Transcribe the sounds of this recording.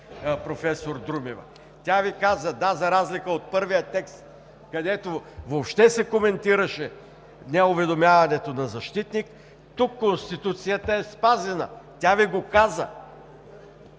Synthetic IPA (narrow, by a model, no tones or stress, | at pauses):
pɾofɛsoɾd̪ɾumivə̰ | t̪ʲavikazəd̪azɐɾazlikəot̪̚pɤɾvijət̪ɛkst̪ | kɐd̪ɛt̪ovopʃt̪ɛsɛkomɛnt̪iɾɐʃɛ | nɛʊvɛd̪omjavɐnɛt̪onɐzɐʃt̪it̪nik | t̪ukːonst̪it̪ut̪sijət̪əɛspazɛnə̰t̪ʲaviɡokazə̰